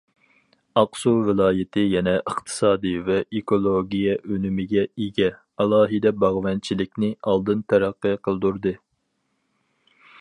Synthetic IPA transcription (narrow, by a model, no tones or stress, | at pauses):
ɑqsuvɪlˠɑːjɪt̪ʰɪjɛnɛʔəχt̪ʰɨ̥sɑːd̪ɨvɛʔekʰolˠoɡʲijɛʔønymɪɡʲɛeɡʲɛ | ɑlˠɑːɦɨd̪ɛbɑʁvɛnt͡ʃʰilɪkʲnɪɑlˠd̪ɨnt̪ʰɛɾæqːɨqʰəlˠɨd̪uɾd̪ɨ